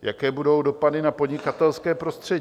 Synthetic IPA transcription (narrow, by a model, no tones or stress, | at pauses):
jakɛːbudo̞wdo̞padɪnapodɲɪkat̪ɛlskɛːpɾo̞st̪r̝̥ɛ